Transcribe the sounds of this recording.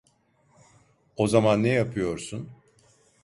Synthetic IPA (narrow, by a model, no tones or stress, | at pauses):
o̞zamanːɛjapʰɯjo̞ɾsun